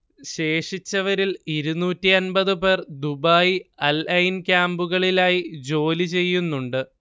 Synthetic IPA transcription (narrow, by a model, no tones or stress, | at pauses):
ɕe̞ːʂit͡ɕːɐʋɐɾiliɾunuːtːiɐnbɐðɨpe̞rd̪ubaːjiɐlɐjinkʲaːmbuɣɐɭilaːjid͡ʑo̞ːlit͡ɕe̞jːunːuɳɖɨ